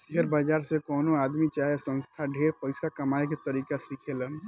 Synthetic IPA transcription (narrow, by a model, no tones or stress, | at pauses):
siɦəɾbəd͡ʒaɾsẽkoːnoad̪mit͡ʃaɦesə̃nst̪ʰaɖʱeɾpəɪsakəmaek̬et̪əɾikasikʰelən